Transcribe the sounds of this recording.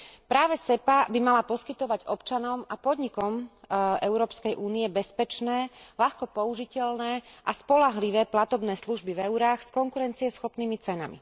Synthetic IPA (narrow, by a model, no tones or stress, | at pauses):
pɾaːʋɛsɛpabimalapɔskit̪ɔʋaɟɔpt͡ʃanɔmapɔd̪ɲikɔmʔɛʊɾɔːpskɛjʔuːnijɛbɛspɛt͡ʃnɛːlaxkɔpɔuʒicɛlnɛːʔaspɔlaɦliʋɛːplat̪ɔbnɛːsluʒbivɛuɾaːxskɔŋkuɾɛnt͡siɛsxɔpniːmit͡sɛna̰mḭ